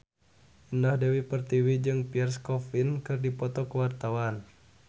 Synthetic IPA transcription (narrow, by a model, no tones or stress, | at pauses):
ʔindɔhdewipərt̪iwid͡ʒɨŋpiɛrskɔfinkɨrdipɔt̪ɔkəwart̪awan